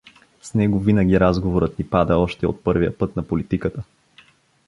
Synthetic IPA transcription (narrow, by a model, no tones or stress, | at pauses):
snɛɡovinəɡʲiɾazɡovoɾət̪nipad̪əɔʃt̪ɛo̰t̪̚pɤɾvijə̰pɤt̪nɐpolit̪ikət̪ə